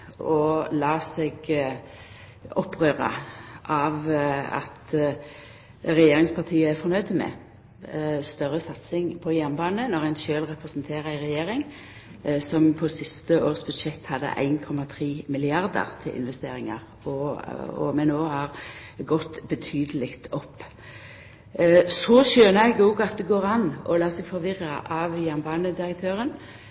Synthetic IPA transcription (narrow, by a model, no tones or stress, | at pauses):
ɔlɑːsɛɡ | ɔpːʁøːʁə̰ʔɑʋɑ̰t̪ | ɾɛjeːɾɪŋspʰɑʁt̪ʰiːəæɾfɔɾnœʏd̪əmɛ̰ | st̪œʁːəsɑt̪sɪŋpʰɔjɛmbɑːnənɔʁæɪnʃøːlʁɛpʁɛsnt̪ʰeːʁəæɪʁɛjeːɾɪŋ | sɔmpʰɔsɪst̪əoːʁsbʉd̪ʃɛt̪ːhɑd̪ːə̰ʔæ̰ɪnkʰɔmːɑt̪ʰʁiːmɪlɪɑʁd̪ə̰ʁt̪ʰɪlʔɪ̰nʋɛst̪ḛːʁɪŋɑ̰ʁ | ɔɔ̰mɛnːoːhɑʁɡɔt̪ːbət̪ʰyːd̪əlɪkt̪ɔpː | sɔʃøːnəæɪɡoɡɑt̪̚d̪ɛɡoːʁɑnʔɔ̰lɑːsɛɡfɔʁʋɪʁːəʔɑʋjæʁnbɑːnəd̪ɪɾək̚t̪ʰøːʁən